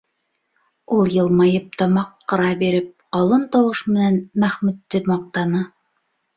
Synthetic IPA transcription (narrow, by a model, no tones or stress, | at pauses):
ulˠjɤ̆lˠmɑjɤp̚t̪ɑmɑqːɤ̆ɾɑbiɾɘp̚qɑlˠɤnt̪ɑwɤʃmɘ̆nænmæχmʉt̪ːɘmɑq̚t̪ɑnɤ